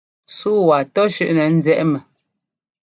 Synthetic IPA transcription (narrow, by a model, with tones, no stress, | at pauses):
suː˦wa˨tɔ˦ʃʉ˦˨ʔnɛ˨n̩˦zɛ˦ʔmɛ˨